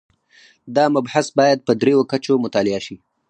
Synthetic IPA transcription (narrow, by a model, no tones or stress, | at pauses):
d̪ɑmʊbhasbɑjad̪̚pəd̪ɾejokat͡ʃomʊt̪ɑlɪaʃi